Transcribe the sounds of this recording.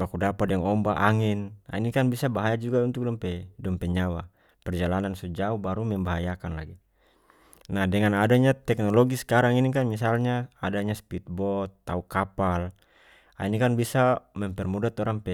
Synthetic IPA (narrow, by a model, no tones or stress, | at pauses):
bakudapadɛŋɔmbaʔaŋina̰inikanbisabaɦajad͡ʒuɡaunt̪uk̚dampɛdɔmpɛɲawa | pɛrd͡ʒalanansɔd͡ʒaubaɾumɛmbaɦajakanla̰ɡi | nahdɛŋanadaɲat̪ɛknɔlɔɡiskaɾaŋinik̬anmis̬alɲaadaɲaspit̪̚bɔt̪ːaukapal | a̰inikanbisamɛmpɛrmudat̪ɔɾaŋpɛ